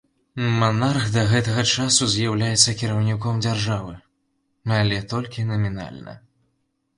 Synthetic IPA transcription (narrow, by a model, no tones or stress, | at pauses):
manarxd̪ɐɣɛt̪ɐɣɐt͡ʂasuzʲjawlʲajɛt̪sːɐkʲiɾɐwnʲikɔmd͡zʲarʐavɨ | alʲɛt̪ɔlʲkʲinɐmʲina̰lʲnɐ̰